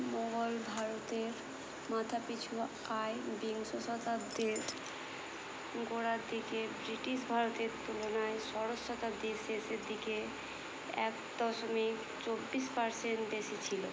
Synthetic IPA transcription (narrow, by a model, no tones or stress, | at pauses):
mɔɡolbʱaɾot̪eɾ | mat̪ʰapit͡ɕʰu | aebiŋsoʃɔt̪ad̪eɾ | ɡoɾaɾd̪ikebɾiʈiʃ̬bʱaɾot̪eɾt̪ulonaeʃɔɾosːɔt̪ad̪eseseɾd̪ike | ɛ̰k | d̪̥ɔʃomik | t͡ɕobːiʃpaɾseɳʈbeʃit͡ɕʰilo